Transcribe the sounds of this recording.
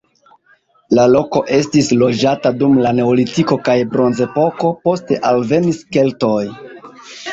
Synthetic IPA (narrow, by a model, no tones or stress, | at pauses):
lalo̞ko̞ʔe̞stislo̞d͡ʒatadumlane̞olitiko̞kajbɾo̞nze̞po̞ko̞po̞ste̞ʔalve̞niske̞lto̞j